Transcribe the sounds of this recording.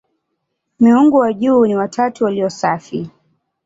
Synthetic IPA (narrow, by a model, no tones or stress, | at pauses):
miuŋɡuwaʄuːniwatʰatuwaliɔsafi